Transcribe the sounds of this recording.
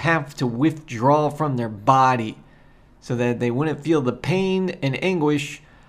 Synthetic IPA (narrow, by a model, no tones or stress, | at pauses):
hæftʰəwɪθdɹɔfɹʌ̃mðə˞bɑɾi | soʊðɨt̪̚ðeɪwʊdⁿn̩tfilˠðəpʰẽɪ̃nɨ̃næ̃ŋɡwɪʃ